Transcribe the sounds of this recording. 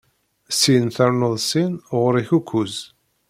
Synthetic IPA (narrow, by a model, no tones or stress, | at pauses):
sinθæɾnəðˤsinʁɾiçukʰʷːuz